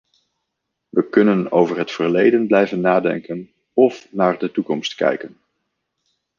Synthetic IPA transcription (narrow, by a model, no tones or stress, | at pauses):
ʋəkɵnənowvəɹɦətfəɹlejdənblɛjvənːaːdɛ̰ŋkən | ɔfnaːɹdətukɔmstkɛ̰jkən